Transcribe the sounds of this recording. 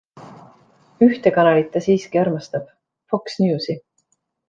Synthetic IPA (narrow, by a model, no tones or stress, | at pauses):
yht̪e̞kɑnɑlit̪ːˑɑsiːskiɑɾmɑst̪ɑb̥ | fo̞ksnjuːsi